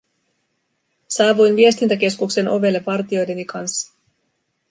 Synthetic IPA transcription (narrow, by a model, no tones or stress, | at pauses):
sɑːʋujnʋie̞st̪int̪æk̟e̞skukse̞no̞ʋe̞lːe̞ʋɑrt̪io̞jde̞nikɑnsːɑ̥